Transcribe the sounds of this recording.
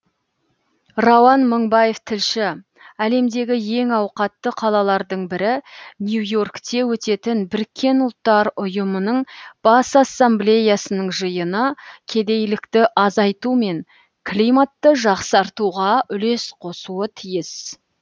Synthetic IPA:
rowɑnməɴbɑje̞ft̪ʰɪlʃɪ | æle̞md̪e̞ɡʲɪje̞ŋɑwqɑt̪ːəqʰɑlˠɑlˠɑɾd̪əɴbɪɾɪnjujo̞rkt̪e̞wɵt̪e̞t̪ɪnbɪɾkʲʰːe̞nʊlˠt̪ːɑɾʊjəmənəɴb̥ɑsasːamblʲe̞jasənəɴʒəjənəkʲʰe̞d̪e̞jlɪkt̪ɪʔɑzɑjt̪ume̞ŋ | kʰlimat̪ːəʒɑqsɑɾt̪uʁɑʔʏle̞sqʰo̞suət̪ʰijɪs

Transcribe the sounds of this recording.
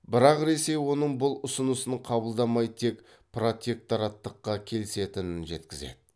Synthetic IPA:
bɪɾɑqɾe̞se̞jwo̞nəɴbʊlˠʊsənəsəɴqʰɑbəlˠd̪ɑmɑjt̪ʰe̞k | pro̞t̪ʲe̞k̚t̪oɾɑt̪ːəqːɑkʲʰe̞lɪse̞t̪ɪnɪnʒe̞t̪kʲɪze̞̰d̪ɪ

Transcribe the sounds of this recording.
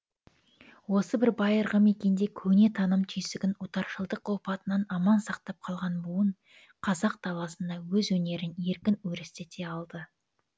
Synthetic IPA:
wo̞səbɪɾbɑjəɾʁəme̞kʲe̞nd̪e̞kʲʰɵne̞t̪ʰɑnəmt̪ʰijsɪɡʲɪnut̪ɑɾʃəlˠd̪əqopɑt̪ənɑnɑmɑnsɑqt̪ɑp̚qʰɑlˠʁɑnbuwəɴ | qʰɑzɑq̚d̪ɑlˠɑsənd̪ɑwɵzwɵne̞ɾɪne̞ɾkʲɪnɵɾɪst̪et̪ʰe̞ɑlˠd̪ə

